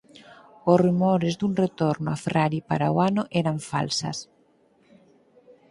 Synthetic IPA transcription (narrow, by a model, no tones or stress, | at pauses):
osrumoɾezd̪uŋret̪oɾnʊafɾaɾipaɾaoanoʔɛɾaɱfa̰lsa̰s